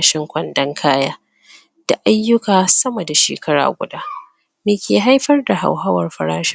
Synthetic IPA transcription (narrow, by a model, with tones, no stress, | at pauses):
ʃɪ˦ŋkʷɐ˨ndɐ˦ŋkʰaː˦jaː˦ | d̥a˨ʔa˦jːʊ˦kaː˨sɐ˦mɐ˨da˨ʃḛː˨kʰɐ˦ɽa̰ː˨ɡʷʊ̰˨daː˦ | meː˨kʲeː˨ɦa˦jɸɐ˦rda˨ɦa̰˨wɦɐ˦wɐ˨rɸɐ˨ɾaː˦ʃɪ̥˦